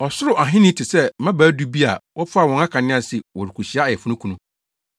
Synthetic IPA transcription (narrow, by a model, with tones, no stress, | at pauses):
ɔ˨sʊ˦ɾʊ˨ʔa˨ɦɪ̃˦nɪ̃˦tʰɪ˨sɛ˦mã˦bæː˨˦du˦bi˦a˨wʔɔ˦pʰʊ˦a˦˨wɔ̃˨ŋa˦kʰã˨nɪ̃˦a˨sɪ˨wɔ˨ɾi˨kʰu˨ɕi˨˦a˦˨jɛ˨fʊ˦nʊ̃˦kʰũ˨nũ˦